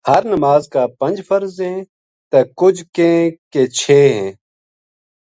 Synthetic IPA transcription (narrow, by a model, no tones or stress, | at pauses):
həɾnəmaːzkaːpə̃nd͡ʒfəɾzɦɛ̃ː | t̪ɐkʊd͡ʒʱkẽːkeːt͡ʃʰeːɦɛ̃ː